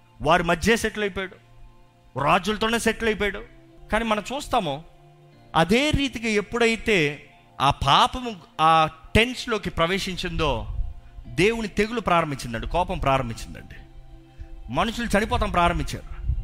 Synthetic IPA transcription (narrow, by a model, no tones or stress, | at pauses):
ʋaːɾimɐd͡ʒːe̞ːseʈlɐjpaːɽu | ɾaːd͡ʒulɐt̪o̞ːne̞ːseʈlɐjip̬ojɽu | kaːniːmɐnɐmt͡ʃuːst̪aːmo | ɐ̰d̪e̞ːɾiːt̪iɡae̞pːuɽɐjit̪e̞ː | aːpaːpɐmuaːʈe̞nslo̞ːkipɾɐʋe̞ːʂiɲt͡ʃind̪o̞ː | d̪e̞ːwunit̪e̞ɡulupɾaːɾɐmbiɲt͡ʃːind̪ɐɳɖikɔːpɐmpɾaːɾɐmbiɲt͡ʃːind̪ɐ̰ɳɖi | mɐnuʂulut͡ʃɐnipɔːt̪ɐmpɾaːɾɐmbiɲt͡ʃːa̰ːɽu